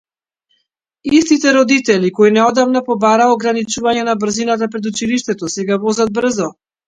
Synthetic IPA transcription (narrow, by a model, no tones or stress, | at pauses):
ist̪it̪ɛɾɔd̪it̪ɛlikɔinɛɔd̪avnapɔbaɾaɔɡɾanit͡ʃuvaɲɛnabr̩zinat̪̬apɾɛd̪ut͡ʃiliʃt̪ɛt̪ɔsɛɡavɔzad̪̚br̩zɔ